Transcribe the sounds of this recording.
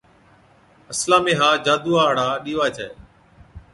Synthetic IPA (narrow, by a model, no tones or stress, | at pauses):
əslaːmẽːɦaːd͡ʒaːd̪uːaːɦɽaːɗiːʋaːt͡ʃʰaː